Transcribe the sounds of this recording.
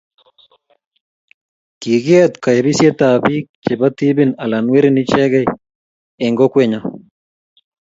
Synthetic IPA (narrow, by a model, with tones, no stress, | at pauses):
ki˨ɡɛ˦t̪ka˨e˨bi˦sje˦t̪a˨bi˦k̚t͡ʃe˨ba˦t̪i˦bi˦na˨la˨nwe˦ɾi˦ni˦t͡ʃɛ˦ɡɛ˦j | e˨ŋɡɔ˦kwe˦ɲa˨